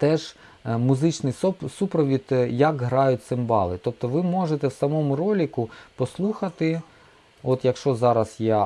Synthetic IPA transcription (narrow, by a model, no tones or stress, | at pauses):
t̪ɛʒ | mʊzɪt͡ʃnɪjsupɾɔʋʲit̪jɐkɦɾɑjʊt̚ʲsɪmbɑ̰lˠɪt̪ɔp̚t̪ɔʋɪmɔʒet̪ɛwsɐmɔmʊɾɔlʲikʊpɔslˠuxɐt̪ɪ | ɔt̪jɐkʃt͡ʃɔzɑɾɐsjɛ